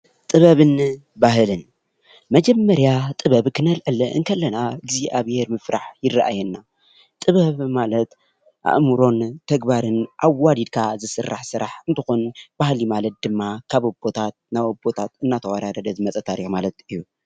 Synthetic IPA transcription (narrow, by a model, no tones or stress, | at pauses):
t̪ʼɨβɐβɨn | baɦɨlɨn | mɐd͡ʒɐmːɐɾjat̪ʼɨβɐβkʰɨnɐlʕɨlɐʔɨ̰ŋkʰɐlːɐnaɨɡziaβheɾmɨfɾaħjɪraʔa̰jɛnːa | t̪ʼɨβɐβmalɐt̪ | ʔa̰ʔmɨɾo̞nt̪ʰɐɡbaɾɨnʔaβːad̪id̪̚kʰazɨsɨrːaħsɨɾaħɨnt̪ʰɨxonb̥ahlimalɐt̪̚d̪ɨmːakʰaβobo̞t̪ʰat̪̚naβobo̞t̪ʰat̪ɨnːat̪ʰɐwaɾad̪ɐd̪ɐzɨmɐt͡sʼɐt̪ʰaɾiħmalɐt̪ɨjːu